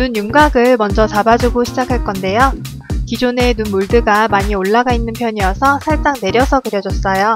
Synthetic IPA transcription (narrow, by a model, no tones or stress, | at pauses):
nunjuŋɡaɡɯɭmʌnd͡ʑʌt͡ɕabad͡ʑuɡoɕʰid͡ʑakʰaɭk͈ʌnde̞jo | kid͡ʑone̞nunmuɭdɯɡamaɲioɭːaɡainːɯnpʰjʌɲijʌsʰʌsʰaɭs͈aŋne̞ɾjʌsʰʌkɯɾjʌd͡ʑʌs͈ʌjo